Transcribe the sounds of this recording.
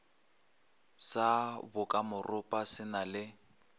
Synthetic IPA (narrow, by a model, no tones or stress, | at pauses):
sabʊkʼamʊrʔʊpʼasɪnalɪ